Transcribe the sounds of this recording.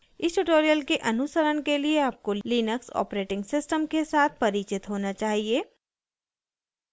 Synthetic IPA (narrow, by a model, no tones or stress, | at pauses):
ɪsʈuʈoːɾijəlkeʔɐnʊsəɾənkelieaːp̚koliːnəksɔ̰ːpɾeːʈɪ̃ŋɡsɪsʈəmkesaːt̪̚ʰpɐɾiːt͡ʃɪt̪ɦoːnat͡ʃaːɦieː